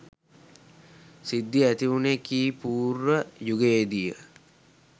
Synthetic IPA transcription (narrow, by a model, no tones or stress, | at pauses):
sid̪ːiæt̪iʋunekiːpuːɾʋəjuɡeːd̪ijə̰